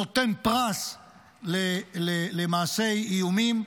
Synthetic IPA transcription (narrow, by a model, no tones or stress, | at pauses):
ot̪enpʁas | lelelemaːsejijumim